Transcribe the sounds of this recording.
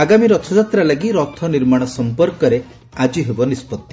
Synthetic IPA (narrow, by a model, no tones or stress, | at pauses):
aɡamiɾɔt̪ʰɔd͡ʒat̪ɾalaɡiɾɔt̪ʰɔniɾmaɽ̃ɔsɔmpɔɾkɔɾe | ad͡ʒiɦebɔnispɔt̪ːi